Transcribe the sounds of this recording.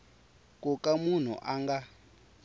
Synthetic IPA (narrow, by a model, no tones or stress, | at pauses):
kʼukamun̤ṵʔaŋɡa